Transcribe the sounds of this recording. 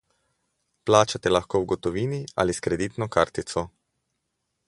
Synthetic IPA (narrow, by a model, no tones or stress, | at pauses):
plaːt͡ʃat̪ɛlaxkoːwɡɔt̪ɔʋiːnia̰liskɾɛd̪iːt̪nɔkaɾt̪it̪sɔ